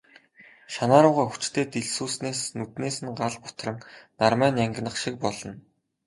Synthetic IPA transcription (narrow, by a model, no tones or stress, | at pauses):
ʃanaːɾʊːʁaːxu̥t͡ɕt̪ʰeːt̪eɮsuːsneːsnut̪neːsɘ̆nɢaɮpʊ̥t̪rɘ̆ŋnarmæːnjæŋɡ̆ʲnə̆χʃik̚pɔɮɞ̆n